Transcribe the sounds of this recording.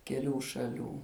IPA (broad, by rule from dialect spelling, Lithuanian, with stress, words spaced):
kʲɛˈlʲuː ʃɐˈlʲuː